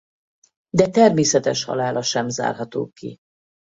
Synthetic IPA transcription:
d̪ɛt̪ɛrmeːsɛt̪ɛʃhɒ̰laːlʔɒʃɛmza̰ːrɦɒt̪o̰ːkːḭ

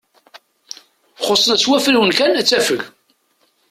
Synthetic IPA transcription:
χosˤːənæswæfɾiwənkænæt͡sːæfəɣ

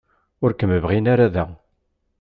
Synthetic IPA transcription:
ʊɾkəməvʁinaɾaðæ

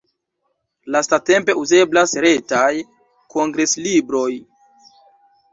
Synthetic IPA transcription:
lastate̞mpe̞uze̞blasɾe̞taj | ko̞ŋɡɾe̞slibɾo̞j

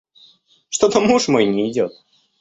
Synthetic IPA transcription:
ʂt̪ot̪əmuʂmojnʲɪɪdʲot̪̚

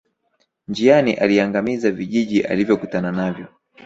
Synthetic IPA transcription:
nd͡ʒianiʔaliaŋɡamizaviʄiʄiʔa̰livjɔkutananavjɔ

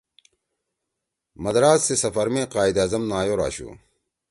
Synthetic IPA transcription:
mɐd̪ɾaːsːesɐfɐɾmẽːqaːid̪aːzɐmnaːjoɾa̰ːɕṵː

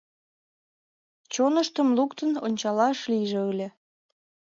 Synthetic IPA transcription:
t͡ɕonəʃt̪əmlukt̪ənonʲt͡ɕɑlɑʃliʒeulʲe

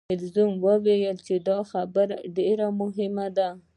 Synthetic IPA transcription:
ɪlzumwəwejəlt͡ʃed̪ɑxabəɾa̰ɖeɾamʊɦɪmad̪a

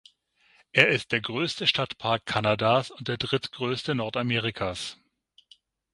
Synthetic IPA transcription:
ʔeːɐɪst̚d̥eːɐɡʁøːstəʃtatpʰaɐkʰːanadasʊntd̥eːɐdʁɪtɡ̥ʁøːstənɔɐtameːʁikʰas

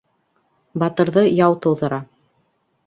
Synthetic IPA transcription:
bɑt̪ɤ̆ɾðɤjɑwt̪ŏw̪ˠðɤ̆ɾɑ

